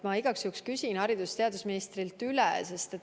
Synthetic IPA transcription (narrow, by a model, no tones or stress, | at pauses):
mɑiɡ̥ɑksjukskysʲinhɑɾid̪ust̪e̞ɑd̪usminist̪ɾilt̪ːylɛ̰se̞st̪e̞t̪